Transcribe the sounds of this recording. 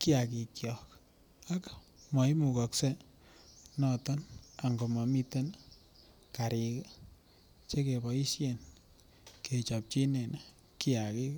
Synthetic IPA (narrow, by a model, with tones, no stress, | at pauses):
ki˦aki˨kjɔk | a˦k | mɔ˨i˦mu˨kɔ˨kse˦ | nɔtɔ˦na˨ŋɡo˨ma˨mi˦te˦n | kaɾik | t͡ʃe˦ke˨bɔ˨i˦sjen | ke˨t͡ʃa˨p̚t͡ʃi˦ne˨n | kia˨ki˦k